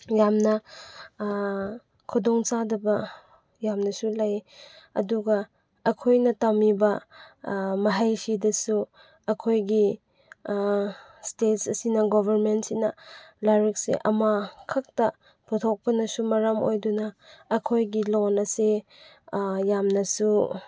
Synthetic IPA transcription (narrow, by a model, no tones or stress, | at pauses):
jamnɐ | kʰudɔŋt͡ʃadɐbɐ | jamnɐsulajɐ̰duɡɐ | ɐkʰojnɐtamibɐ | mɐɦajsʰidɐsu | ɐkʰojɡi | stetsɐsinɐɡɔbʱɐɾmentsinɐlaɾik̚sḛʔɐmakʰak̚tɐ | pʰutʰok̚pɐnɐsumɐɾamo̰jdunɐːkʰojɡilonɐse | jamnɐsu